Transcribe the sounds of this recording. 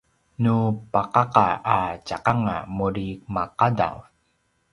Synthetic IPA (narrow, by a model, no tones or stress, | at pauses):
nupaqaqaat͡ʃaqaŋa̰muɾimaqada̰w